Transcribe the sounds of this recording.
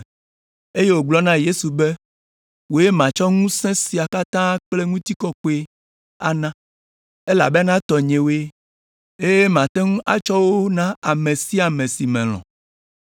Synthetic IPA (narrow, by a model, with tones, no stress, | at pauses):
e˦je˦wo˨ɡ͡blɔ˦nã˦je˦su˨bɛ˦ | wo˨˦e˦mã˨t͡ʃɔ˦ŋũ˦sɛ̃˦si˨a˨ka˦t̪ã˦k͡ple˦ŋũ˦t̪i˦kɔ˦ko˦e˦ | a̰˨nã˦ | e˦la̰˨be˦nã˦t̪ɔ˨ɲẽ˨wo˦e˦ | e˦je˦mã˨t̪ɛ˦ŋũ˦ʔa̰˨t͡ʃɔ˦wo˦nã˦a˨mẽ˨si˦a˨mẽ˨si˨mɛ̃˨l̃ɔ̰̃˨